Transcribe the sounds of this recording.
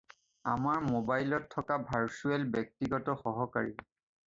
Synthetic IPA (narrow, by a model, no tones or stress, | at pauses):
amaɹmobajlɔtʰːɔkabʱaɹsuɛlbɛk̚tiɡɔtɔxɔɦɔkaɹi